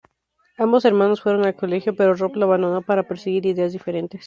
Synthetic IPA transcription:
ambo̞se̞ɾmãnosfwe̞ɾo̞ŋalko̞le̞xjo̞pe̞ɾoroploβand̪onopaɾape̞ɾsiɣ̞iɾiðe̞azðife̞ɾe̞nt̪es

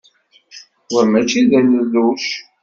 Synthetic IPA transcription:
ʊɾmæt͡ʃːiðænəlːuʃ

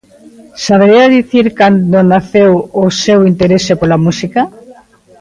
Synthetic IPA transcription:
saβeɾeaðiθiɾkand̪onaθewosewint̪eɾesepolamusika

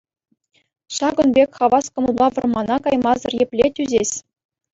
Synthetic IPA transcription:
ʂɑɡɤ̆nbʲekʲχɑʋɑskɤ̆mɤ̆lˠbɑʋɤ̆rmɑnɑkɑjmɑzɤ̆rjepʲlʲetʲyzʲesʲ

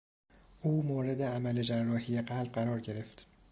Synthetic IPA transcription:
ʔuːmoːɾe̞d̪eæmæle̞d͡ʒærːɒːhijeɢælb̚ɢæɾɒːɾɟe̞ɾe̞ft̪

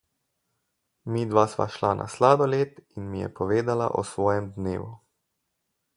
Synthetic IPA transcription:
mid̪ʋasma̰ʃlanʔa̰slaːd̪ɔleːt̪inmijɛ̰pɔʋeːd̪ala̰ʔɔ̰sʋɔːjɛmd̪nḛːʋu

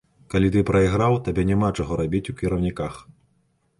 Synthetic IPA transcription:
kalʲit̪ɨpɾɐiɣɾawt̪abʲɛnʲɛmat͡ʂaɣɔɾabʲit͡sʲukʲiɾɐwnʲikax

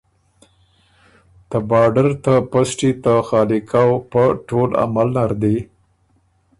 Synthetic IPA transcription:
t̪əbɑɖaɾt̪apasʈit̪əxɑlɪkʰawpəʈola̰malnaɾd̪e

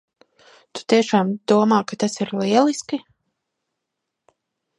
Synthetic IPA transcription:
t̪u̥t̪iɛʃaːmd̪̥uɔmaːkat̪asiɾliɛlˠiski

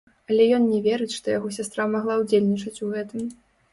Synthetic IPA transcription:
ɐlʲɛjɔnnʲɛvʲeɾɨt͡sʲʂt̪ɔjaɣɔsʲast̪ɾamaɣlˠawd͡zʲelʲnʲit͡ʂɐt͡sʲuɣɛt̪ɨm

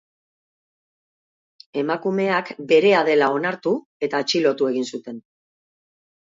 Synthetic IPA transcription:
e̞makume̞akbe̞ɾe̞aðe̞lao̞naɾt̪u | e̞t̪aet͡ʃilo̞t̪ue̞ɣ̞insut̪e̞n

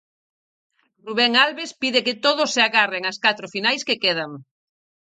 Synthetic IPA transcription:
ruβɛŋalβespiðeket̪oðʊsːeaɣareŋaskat̪ɾofinajskekeð̞aŋ

